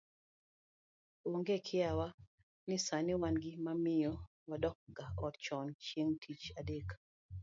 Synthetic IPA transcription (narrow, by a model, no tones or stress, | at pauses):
oŋɡekʰɪawa | nɪsanɪwanɡɪmamɪjɔ | wadɔk̚ɡaɔtt͡ʃɔnt͡ʃjeŋtʰit͡ʃadek